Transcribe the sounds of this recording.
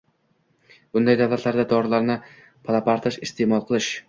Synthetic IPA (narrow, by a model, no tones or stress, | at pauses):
b̥ʊnd̪ajd̪awlat̪laɾd̪ad̪ɒɾlaɾnɪ | pʰalˠapaɾt̪ʰɪʃɪst̪ʰe̞mɒlˠqʰɨlˠɪʃ